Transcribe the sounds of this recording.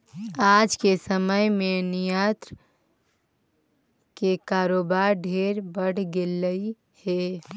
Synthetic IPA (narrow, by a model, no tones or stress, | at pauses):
aːd͡ʒkesəməjmẽnɪjat̪ɾ | kekaːɾoːbaːɾɖʱeːɾbəɽ̤ɡeləi | he